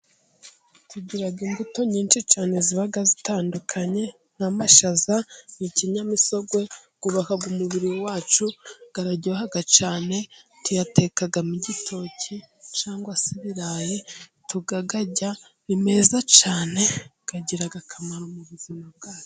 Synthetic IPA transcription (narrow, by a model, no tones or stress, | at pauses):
tuɟiɾaɡimbuto̞ɲiːnt͡ʃit͡ʃaːne̞ziβaɡazitaːndukʰaɲe̞ | n̥hamaʃazaniciɲamiso̞ɡwe̞ɡuβakaɡumuβiɾiwowaːt͡ʃuɡ̥aɾaɟoɦaɡat͡ʃaːne̞tujate̞kaɡamuɟitʰo̞cit͡ʃaːŋɡwasiβiɾaːjetuɡaɡaɟa | nime̞ːzat͡ʃaːne̞ɡ̥aɟiɾaɡakʰamaɾomuβuzimab̚ɡaːjo